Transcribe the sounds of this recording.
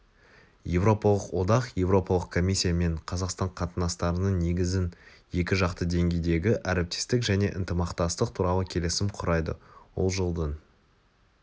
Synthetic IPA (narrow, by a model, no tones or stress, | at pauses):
je̞vɾo̞pɑlˠəqwo̞d̪ɑqje̞vɾo̞pɑlˠəqkʰo̞mʲisʲːijame̞ɴqʰɑzɑqst̪ɑɴqʰɑt̪ənɑst̪ɑɾənəɴne̞ɡʲɪzɪn | je̞kʲɪʒɑqt̪əd̪e̞ŋɡʲe̞jd̪e̞ɡʲɪʔæɾep̚t̪e̥st̪ɪkʒæne̞ʔɪnt̪əmɑqt̪ɑst̪əq̚t̪ʰuɾɑlˠəkʲʰe̞lesɪmqʰʊɾɑjd̪ə̰wo̞̰lˠʒəlˠd̪ən